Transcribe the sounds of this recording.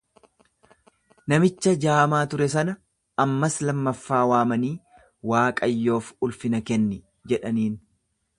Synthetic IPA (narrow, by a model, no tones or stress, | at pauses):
nɐmɪt͡ʃːɐd͡ʒaːmaːt̪ʊɾɛsɐnɐ | ɐmːɐslɐmːɐfːaːwaːmɐniː | waːkʼɐjːo̞ːfʊlfɪnɐkɛnːɪ | d͡ʒɛᶑɐniːn